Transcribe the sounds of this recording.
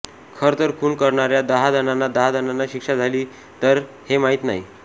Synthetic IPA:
kʰəɾt̪əɾkʰuːɳkəɾɳaɾjad̪əɦad̪ənanːad̪əɦad̪ənanːaɕikʂad͡zʱaliː | t̪əɾ | hemaɦit̪na̰i

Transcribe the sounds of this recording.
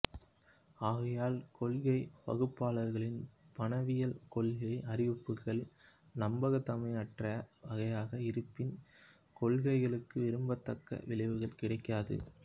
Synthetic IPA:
aːɣɐjaːlkɔɭɣɐɪpɐ̰ɣɯpːaːlɐɾɣɐɭɪnpɐnɐʋɪjɐlkɔɭɣɐɪʔɐɾɪʋɯpːɯkːɐɭ | nɐmbɐɣɐt̪ːɐmɐɪɐʈrɐʋɐɣɐjaːɣɐɪɾɯpːɪn | kɔɭɣɐɪɣɐɭɯkːɯʋɪɾɯmbɐt̪ːɐkːɐ̰ʋɪɭɐɪʋɯɣɐɭkɪɽɐɪkːaːðɯ̰

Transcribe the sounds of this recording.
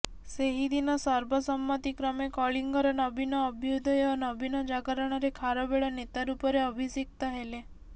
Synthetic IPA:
seɦid̪inɔsɔɾbʱɔsɔmːɔt̪ikɾɔmekɔɭiŋɡɔɾɔnɔbinɔːbʱjod̪ʱɔeɔnɔbinɔd͡ʒaɡəɾɔɽ̃ɔɾekʰaɾɔbeɭɔnet̪aɾupɔɾeɔbʱisik̚t̪ɔɦele

